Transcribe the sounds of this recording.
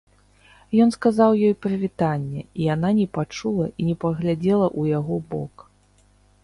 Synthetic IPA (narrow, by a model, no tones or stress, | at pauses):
jɔn̪skazawjɔjpɾɐvʲit̪anʲːɛijananʲɛpat͡ʂulˠɐʔinʲɛpɐɣlʲad͡zʲɛlˠɐʔujaɣɔbɔ̰k